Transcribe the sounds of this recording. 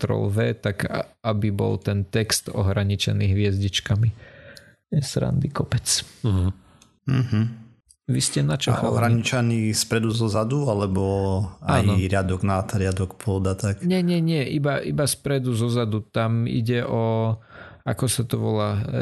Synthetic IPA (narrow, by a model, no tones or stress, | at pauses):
t̪ɾɔ̰lʋɛːt̪akabibɔ̰lt̪ɛnt̪ɛkst̪ɔ̰ɦɾaɲit͡ʃɛ̰niɦʋɪɛzɟit͡ʃkami | sɾa̰nd̪ikɔpɛt͡s | ɦ̩ | ʋiscɛnat͡ʃɔxʔaɔ̰ɦɾaɲit͡ʃanispɾɛd̪uzɔzad̪ualɛbɔaːjnɔɾɪad̪ɔɡnat̪ɾɪad̪ɔkpʊɔd̪at̪akɲɛɲɛɲɪɛʔibaʔibaspɾɛd̪uzɔzad̪ut̪amḭɟɛʔɔ | akɔsat̪ɔʋɔlaː